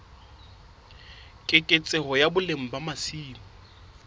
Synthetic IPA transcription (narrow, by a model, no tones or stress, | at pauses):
kʼɪkʼet͡sʼɪɦɔjabʊlem̩bamasiːmɔ